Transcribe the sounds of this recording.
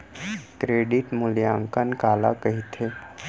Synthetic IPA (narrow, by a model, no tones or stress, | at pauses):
kɾeːɖiʈmʊljãːŋkənkaːla̰kəɦit̪ʰe